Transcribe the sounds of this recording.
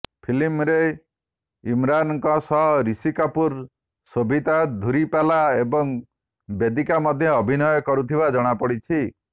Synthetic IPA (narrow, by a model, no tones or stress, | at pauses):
pʰilimɾe | imɾanɔkɔsɔɦɾisikapuɾ | sobʱit̪ad̪ʱuɾipalaebɔŋ | bed̪ikamɔd̪ʱjɔɔbʱinɔjɔkɔɾut̪ʰibad͡ʒɔɽ̃apɔɽit͡ʃʰi